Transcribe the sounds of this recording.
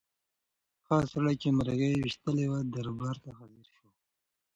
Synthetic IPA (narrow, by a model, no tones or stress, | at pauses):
xɑsaɽajkemaɾaɣejwiʃt̪əlewad̪aɾbaɾt̪axaziɾʃo